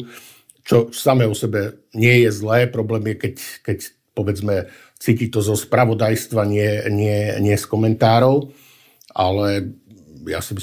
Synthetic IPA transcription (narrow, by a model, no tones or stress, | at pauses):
t͡ʃɔsamɛːɔsɛbɛ | ɲɪɛjɛzlɛːpɾɔblɛːmjɛkɛckɛc | pɔʋɛd͡zmɛ | t͡siːcit̪ɔzɔspɾaʋɔd̪ajst̪ʋaɲɪɛɲɪɛɲɪɛskɔmɛnt̪aːɾɔʊ | alɛ | ja̰simi